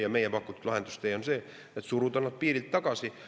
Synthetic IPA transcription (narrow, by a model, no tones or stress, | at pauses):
jɑmejæpɑkːˑut̪ːut̪lɑɦe̞nd̪ust̪ejonseː | et̪suɾut̪ɑnːɑt̪̚piːɾilt̪ːɑkɑsi